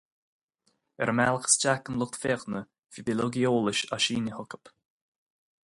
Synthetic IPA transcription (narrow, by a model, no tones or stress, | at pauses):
ɛ̰ɾəmalˠəxə̥sd͡ʒakənlʊk̚t̪fɛɣnə | vibɪloɡioːləʃaʃiːnʲəhʊkə̥p